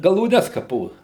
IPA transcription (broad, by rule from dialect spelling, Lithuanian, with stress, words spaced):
ɡɐlˠuːˈnʲɛs kɐˈpoː